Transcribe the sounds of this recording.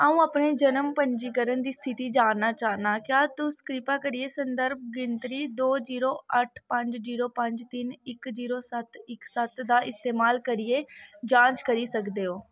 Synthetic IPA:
əũːaːpneːd͡ʒənəmpəɲd͡ʒiːkəɾənd̪iːst̪ʰɪt̪iːd͡ʒaːnaːt͡ʃaːnaːkjaːt̪ʊskɾɪpaːkəɾieːsənd̪əɾb̚ɡɪnt̪ɾiːd̪oːziːɾoːʔəʈʰpəɲd͡ʒziːɾoːpəɲd͡ʒt̪ɪnɪkziːɾoːsət̪ɪksət̪d̪aːʔɪst̪eːmaːlkəɾiːeːd͡ʒãːɲt͡ʃkəɾiːsəkd̪eːoː

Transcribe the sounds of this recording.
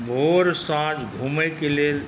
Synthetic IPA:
bʱoːɾsãːd͡ʒɡʱuːmekele

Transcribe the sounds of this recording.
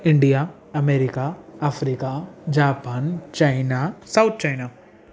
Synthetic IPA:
ɪ̃ɳɖija | ɐmeːɾikaɐfɾiːkad͡ʒaːpaːnt͡ʃaɪnasaʊt̪̚ʰt͡ʃajna

